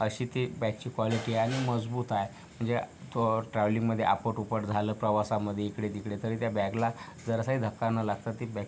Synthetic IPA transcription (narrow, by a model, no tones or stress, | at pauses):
əɕiːt̪ebɛk̚t͡ɕiːkʋɔliʈiaɽ̃iməd͡zbuːt̪aje | m̤əɳd͡zet̪oʈɾaʋliŋɡməd̪ʱjḛʔa̰pəʈupəʈd͡zʱaləːpɾəʋasaməd̪ʱːjeikɽet̪ikɽet̪əɾiːt̪jabɛɡlad͡zəɾəsaɦid̪ʱəkːanːalaɡ̚t̪at̪ːibɛ